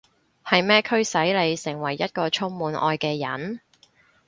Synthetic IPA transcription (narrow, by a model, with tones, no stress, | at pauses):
hɐ˨jmɛː˥kʰɵ˥ɥsɐ˨˥jle˨˧jsɪ˨˩ŋwɐ˨˩jːɐ˥t̚kɔː˧t͡ʃʰʊ˥ŋmuː˨˧nʔɔ̰ː˧jkɛː˧jɐ̰˨˥n